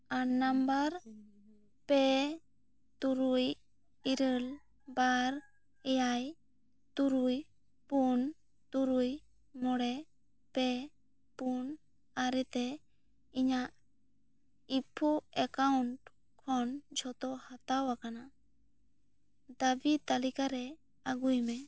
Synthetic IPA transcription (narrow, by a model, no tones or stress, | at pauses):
anambaɾ | pɛ | t̪uɾuj | iɾəl | baɾ | ɛjaj | t̪uɾuj | pun | t̪uɾuj | mɔɽɛ | pɛ | pun | aɾɛt̪ɛ | iɲaʔ | ipʰuɛkauɳʈ | kʰɔnd͡ʒʱɔt̪ɔhat̪awakana | d̪abit̪alikaɾɛ | aɡujmɛ